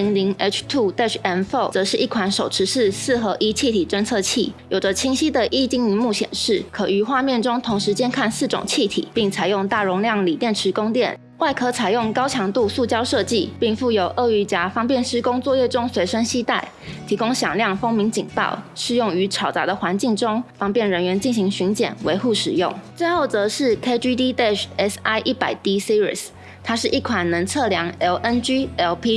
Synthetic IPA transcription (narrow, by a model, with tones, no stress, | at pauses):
i˧˥ŋli˧˥ŋɛ˥t͡ʃʰt̪ʰu˥˩t̪ɛ˥˩ʈ͡ʂʰɛ˧˥nfo˥˩ʊt͡sɤ˧˥ʂɻ̩˥˩ʔi˥˩kʰwa˧˥nʂo˨˩ʊʈ͡ʂʰɻ̩˧˥ʂɻ̩˥˧sɹ̩˥˩xɤ˧˥ʔi˥t͡ɕʰi˥˩t̪ʰi˨˩ʈ͡ʂə˥nt͡sʰɤ˥˧t͡ɕʰḭ˥˩jo˨˩ʊd͡ʒə˦t͡ɕʰi˧˥ŋɕi˥d̪ə˨ʔi˥t͡ɕi˥˩ŋi˧˥mu˥˩ɕjɛ̰˨˩nʂɻ̩˥˩kʰɤ˨˩y˧˥xwa˥˧mjɛ˥˩nʈ͡ʂʊ˥ŋt̪ʰʊ˧˥ŋʂɻ̩˧˦t͡ɕjɛ˥nkʰa˥˧nsɹ̩˥˩ʈ͡ʂʊ̰˨˩ŋt͡ɕʰi˥˩t̪ʰḭ˨˩˦pi˥˩ŋt͡sʰa˨˩ɪjʊ˥˧ŋt̪a˥˩ɻʊ˧˥ŋljɑ˥˩ŋli˨˩t̪jɛ˥˩nʈ͡ʂʰɻ̩˧˥kʊ˥ŋt̪jɛ˥˩n | wa˥˩ɪkʰɤ˧˥˩t͡sʰa˨˩jʊ˥˩ŋkɑ˥ʊt͡ɕʰjɑ˧˥ŋt̪u˥˧su˥˩t͡ɕjɑ˥ʊʂɤ˥˧t͡ɕi˥˧pi˥˧ŋfu˥˩jo˨˩ʊʔə˥˧y˧˩t͡ɕja˧˥fɑ˥ŋpjɛ˥˨nʂɻ̩˥kʊ˥ŋt͡swɔ˥˧jɛ˥˩ʈ͡ʂʊ˥ŋswe˧˥ɪʂə˥ŋɕi˥t̪a˥˩ɪ | t̪ʰi˧˥kʊ˥ŋɕjɑ˨˩ŋljɑ˥˩ŋfo˥ŋmi˧˥ŋt͡ɕi˨˩ŋp̪ɑ̰˥˩ʊʂɻ̩˥˧jʊ˥˩ŋy˧˥ʈ͡ʂʰɑ˨˩ʊt͡sɑ˧˥d̪ə˨xwa˧˥nt͡ɕi˥˩ŋʈ͡ʂʊ˥ŋfɑ˥ŋpjɛ˥˩nɻə˧˥nɥɛ˧˥nt͡ɕi˥˩nɕi˧˥ŋɕy˧˥nt͡ɕjɛ̰˨˩nwe˧˥ɪxu˥˩ʂɻ̩˨˩jʊ̰˥˩ŋt͡swe˥˧ɪxo˥˩ʊt͡sɤ˧˥˦ʂɻ̩˥˩kʰe˥ɪt͡ɕy˥t̪i˥t̪ɛ˥˩ʂɛ˥sa˥˩ɪʔi˥˩pa˨˩ɪt̪i˥si˥ɹi˥˨˩s | t̪ʰa˥ʂɻ̩˥˩ʔi˥˩kʰwa˨˩nnə˧˦˥nt͡sʰɤ˥˩ljɑ˧˥ŋɛ˧˥lʔə˥nt͡ɕy˥ɛ˧˥lpʰi˥